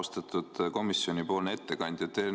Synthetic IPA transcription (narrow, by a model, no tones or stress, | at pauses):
st̪ɑt̪ːˑud̪̥ko̞misːjo̞nʲipo̞ːlnet̪ːe̞kɑnʲd̪̥jɑt̪ːe